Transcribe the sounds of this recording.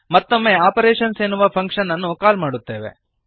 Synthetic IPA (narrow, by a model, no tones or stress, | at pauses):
mɐt̪ːo̞mːe̞aːpɐɾeːʂɐnseːnuʋɐpʰɐŋkʂɐnːɐnːukaːlmaːɽut̪ːeːʋḛ